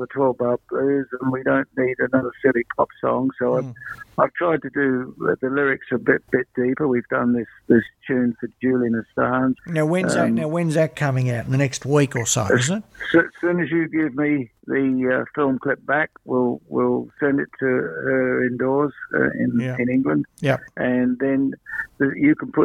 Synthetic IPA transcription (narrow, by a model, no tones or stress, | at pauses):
ðətʰɔbʌb̚blʉzə̃nwidõʊ̃nːiɾɨnʌðə˞sɪlˠipʰɑpsɔ̰̃ŋsoʊaɪvaɪv̥tʰɹ̥aɪd̚tʰɨdɨðəlɪɹɪksəəbɪtb̥ɪt̚d̥ipə˞wivdʌ̃nðɪsðɪst͡ʃʰʉ̃nfə˞d͡ʒʉlˠiɨ̃nɨ̥stɑːnz̥naʊwɛ̃nzænaʊwɛ̃nzæk̚ʰʌ̃mɪ̃ŋaʊtn̩ðənɛkst̚wikəso̰ʊəʌznɪt̚ssʉ̃nɨzjɨɡɪvmi | ðɨʌfɪlˠmkʰl̥ɪp̚b̥ækwɪlˠwɪlˠsɛ̃ndɨtʰɨə˞ɪ̃ndɔɹz̥ʌ̰ɪ̰̃njæɪ̃nɪ̃ŋɡlə̃nd̥jɛɨ̃nðɨ̃nðɨjɨkʰn̩pʰʊ